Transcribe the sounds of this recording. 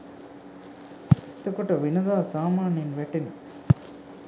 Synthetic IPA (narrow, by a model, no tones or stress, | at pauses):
t̪ːɐkoʈɐʋinɐd̪aːsaːmaːninʋɛʈen